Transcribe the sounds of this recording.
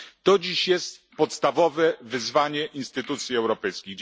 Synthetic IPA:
t̪ɔd͡ʑiɕjɛst̪pɔt̪st̪avɔvɛvɘzvaɲɛʔinst̪ɘt̪ut̪sʲjiɛwɾɔpɛjskʲiɣ

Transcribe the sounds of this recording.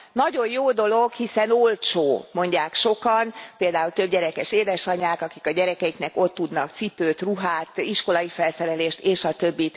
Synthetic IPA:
nɒɟo̞jjoːd̪o̞lo̞ɡhisɛno̞lt͡ʃoːmo̞ɲɟaːkʃo̞kɒnpeːld̪aːult̪ø̞b̚ɟɛɾɛkɛʃeːd̪ɛʃɒɲaːkɒkikɒɟɛɾɛkɛjiknɛko̞t̪ːud̪nɒkt̪sipøːt̪ruɦaːt̪iʃko̞lɒifɛlsɛɾɛleːʃt̪eːʃɒt̪ø̞bːit̪

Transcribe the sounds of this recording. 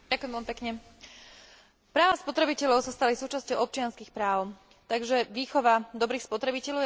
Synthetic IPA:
akʊjɛmʋɛlmipɛkɲɛ | pɾaːʋaspɔt̪ɾɛbicɛʎɔʊsast̪alisuːt͡ʃascɔʊɔp̚t͡ʃɪanskixpɾaːʊ | t̪aɡʒɛʋiːxɔʋad̪ɔbɾiːxspɔt̪ɾɛbicɛʎɔʊ

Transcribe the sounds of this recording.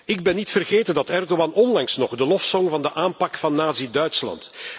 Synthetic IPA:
ɪɡ̚bɛnːitfərɣeːtəndɑtɛrdowɑnɔnlɑŋsnɔχdəlɔfsɔŋvɑndəʔaːnpɑkfɑnːaːzidœɥtslɑ̰nt

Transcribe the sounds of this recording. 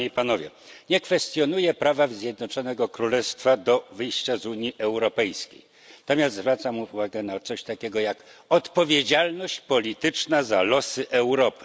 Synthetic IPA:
ipanɔvʲjɛ̰ | ɲɛkfɛst̪jɔn̪ujɛpɾavavzʲjɛd̪nɔt͡ʂɔnɛɡɔkɾulɛst̪fad̪ɔvɘjɕt͡ɕazuɲiʔɛwɾɔpɛjskʲḛjn | at̪ɔmʲjast̪zvɾat̪samuuvaɡɛnat̪sɔɕt̪akʲɛɡɔjakɔt̪pɔvʲjed͡ʑalnɔɕt͡ɕpɔlʲit̪ɘt͡ʂnazalɔsɘʔɛwɾɔpɘ̥

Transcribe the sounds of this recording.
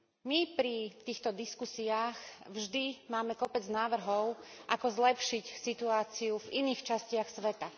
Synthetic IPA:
mipɾit̪iːxt̪ɔd̪iskusiaːxvʒd̪imaːmɛkɔpɛd͡znaːʋr̩ɦɔʊʔakɔzlɛpʃicsit̪uaːt͡siuviniːxt͡ʃascɪaxsʋɛt̪a

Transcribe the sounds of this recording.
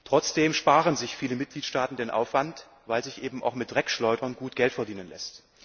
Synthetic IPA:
tʁ̥ɔt͡sd̥eːmʃpaːʁənzɪçfiːləmɪt̚ɡ̥liːtʃtaːtn̩deːnʔa̰ʊfv̥ant | vaɪlzɪçʔeːbm̩ʔa̰ʊxmɪt̚d̥ʁɛkʃlɔʏdɐnɡuːt̚ɡ̥ɛltfɛɐdiːnənlɛ̰st

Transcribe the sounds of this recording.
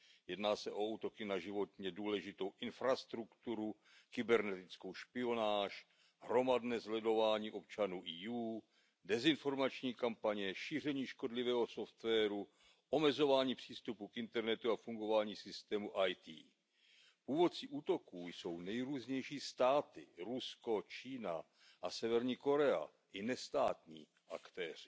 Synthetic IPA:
jɛdnaːsɛʔo̞uːt̪o̞kɪnaʒɪvo̞t̪ɲɛduːlɛʒɪt̪o̞wʔɪnfɾast̪ɾukt̪uɾu | kɪbɛɾnɛt̪ɪt͡sko̞wʃpɪo̞naːʃ | ɦɾo̞madnɛːzlɛdo̞vaːɲiːʔo̞p̚t͡ʃanuːʔijuː | dɛzɪnfo̞ɾmat͡ʃɲiːkampaɲɛʃiːr̝ɛɲiːʃko̞dlɪvɛːɦo̞soft̪vɛːɾu | ʔo̞mɛzo̞vaːɲiːpr̝̥iːst̪upukʔɪnt̪ɛɾnɛt̪uafuŋɡo̞vaːɲiːsɪst̪ɛːmuʔajt̪ḭː | puːvo̞t̪t͡siːʔuːt̪o̞kuːjso̞wnɛjɾuːzɲɛjʃiːst̪aːt̪ɪɾusko̞t͡ʃiːna̰ | ʔasɛvɛɾɲiːko̞ɾɛa̰ | ʔɪnɛst̪a̰ːt̪ɲḭː | ʔakt̪ɛːr̝̥ɪ

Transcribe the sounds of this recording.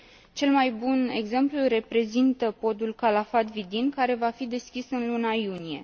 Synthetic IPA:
t͡ʃe̞lmajbune̞̰ɡze̞mplure̞pɾe̞zint̪əpo̞d̪ulkalafat̪vid̪inkaɾe̞vafid̪e̞skʲisɨnlunajunije̞̰

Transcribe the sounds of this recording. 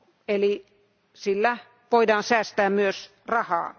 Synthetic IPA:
eli | silːæ | ʋoidɑːnsæːst̪æːmmyøs | rɑhɑ̰ː

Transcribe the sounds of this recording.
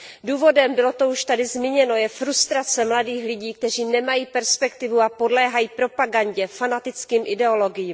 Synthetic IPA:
duːvo̞dɛmbɪlo̞t̪o̞uʃt̪adɪzmɪɲɛno̞jɛfɾust̪ɾat͡sɛmladiːxlɪɟiːk̚t̪ɛr̝iːnɛmajiːpɛɾspɛkt̪ɪvuapodlɛːɦajiːpɾo̞paɡaɲɟɛfanat̪ɪt͡skiːmʔɪdɛo̞lo̞ɡɪjiːm

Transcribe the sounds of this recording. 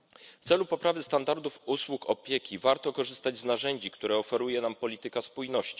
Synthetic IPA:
ft̪sɛlupɔpɾavɘst̪and̪aɾd̪ufuswukɔ̰pʲjekʲivaɾt̪ɔkɔʐɘst̪ad͡ʑznaʐɛɲd͡ʑikt̪uɾɛɔfɛɾujɛnampɔlʲit̪ɘkaspujnɔɕt͡ɕi̥

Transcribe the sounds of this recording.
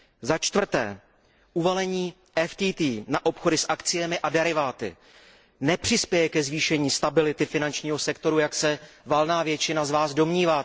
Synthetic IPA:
zat͡ʃt̪vr̩t̪ɛ̰ː | ʔuvalɛɲiː | ʔɛft̪iːt̪iːnaʔo̞pxo̞dɪsʔakt͡sɪjɛmɪʔadɛɾɪvaːt̪ɪ̰ | nɛpr̝̥ɪspjɛjɛkɛzviːʃɛɲiːst̪abɪlɪt̪ɪfɪnant͡ʃɲiːɦo̞sɛkt̪o̞ɾujaksɛvalnaːvjɛt͡ʃɪnazvaːzdo̞mɲiːvaː

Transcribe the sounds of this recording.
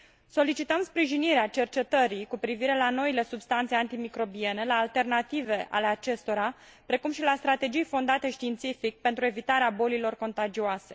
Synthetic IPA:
so̞lit͡ʃit̪əmspɾiʒiniɾeat͡ʃe̞rt͡ʃe̞t̪əɾikupɾiviɾe̞lano̞ile̞subst̪ant̪seant̪imikɾo̞bie̞ne̞laːlt̪e̞rnat̪ive̞ʔa̰le̞at͡ʃe̞st̪o̞ɾa | pɾe̞kumʃilast̪ɾat̪e̞d͡ʒijfo̞nd̪at̪e̞ʃt̪iːnt̪sifik̚pe̞nt̪ɾue̞vit̪aɾeabo̞lilo̞rko̞nt̪ad͡ʒioase̞̥

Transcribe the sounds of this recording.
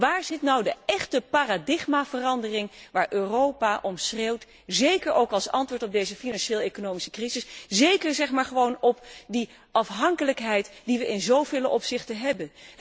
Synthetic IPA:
ʋaːɹzɪtnɑwdəɛχtəpaːradɪχmaːvərɑndərɪŋʋaːɹʔøːrowpaʔɔmsrewt | zejkəɹowkɑlˠsɑ̰ntʋʊːɹtɔb̚dejzəfinɑnʃeːlˠejkonowmisə̥krizɪszejkəɹzɛχmaːɹχəʋownɔp̚di | ɑfɦɑŋkələkɦɛjtd̥iʋəʔɪnzowvɪːləʔɔpsɪχtəɦɛbən

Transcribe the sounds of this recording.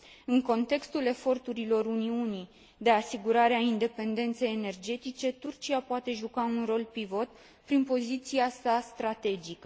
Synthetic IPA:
ɨŋko̞nt̪e̞kst̪ule̞fo̞rt̪uɾilo̞runiunij | d̪e̞asiɡuɾaɾeaind̪e̞pe̞nd̪e̞nt̪se̞jene̞rd͡ʒe̞t̪it͡ʃe̞t̪urt͡ʃiapoat̪e̞ʒukaunro̞lpɾivo̞t̪ | pɾinpo̞zit̪siasast̪ɾat̪e̞d͡ʒikə

